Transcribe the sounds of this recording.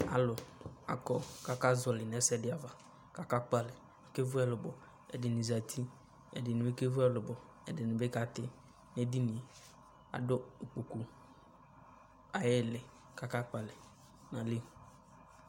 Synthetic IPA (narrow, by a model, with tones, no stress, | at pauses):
a̰˨lʊ˨a̰˨kɔ˦ka˦ka˦zɔ˨lɪ˨n˨ɛ˨˦sɛ˦dɪ˨a˨va˨ | ka˦ka˦k͡pa˨lɪ˨ | na˨ke˦vʊ˦ɛ˦˨lʊ˨bɔ˨ | ɛ̰˨dɪ˨nɪ˨za˨t̪ʰi˦ | ɛ̰˨dɪ˨nɪ˨be˦ke˦vʊ˦ɛ˨lʊ˨bɔ˨ | ɛ˨dɪ˨nɪ̃˨be˦ka˦t̪ɪ˦ | nɛ˦di˦nɪ̃˨e˨ | a̰˨dʊ˦o˨k͡pu˨ku˦ | a˨jɪ˦˨lɪ˨ | ka˦ka˦k͡pa˨lɪ˨ | na˨li˦˨